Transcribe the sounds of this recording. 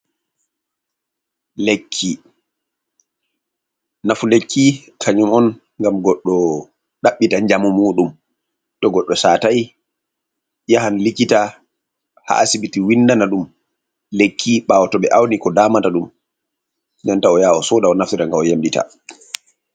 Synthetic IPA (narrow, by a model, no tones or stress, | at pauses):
lekʰːi | nafulekːi | kʰaɲumɔn | ŋɡamɡɔɗːɔ | ɗaɓːitaɲd͡ʒamumuːɗum | tɔɡɔɗːɔsaːtaj | jahanlikːita | ha̰asiɓitiwindanaɗum | lekʰːiɓaːwɔtɔɓɛʔawnikɔdaːmataɗum | nantaɔjaːɔsɔdaɔnaftitaŋɡaɔjamdita̰